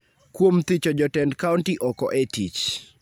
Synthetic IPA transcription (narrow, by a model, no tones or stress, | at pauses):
kwomt̪ɪt͡ʃɔd͡ʒɔtɛndkawntiʔɔkɔʔetit͡ʃ